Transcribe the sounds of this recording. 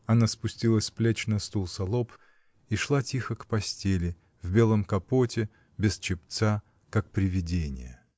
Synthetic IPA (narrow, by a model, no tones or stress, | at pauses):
ɐnaspʊsʲtʲilˠəsʲplʲet͡ɕnɐst̪ulˠsɐlˠop | iʂlˠatʲixəkpɐsʲtʲelʲɪ | vbʲe̞lˠəmkɐpotʲɪ | bʲɪst͡ɕɪpt̪sa | kak̚pɾʲɪvʲɪdʲenʲɪ̰jə̰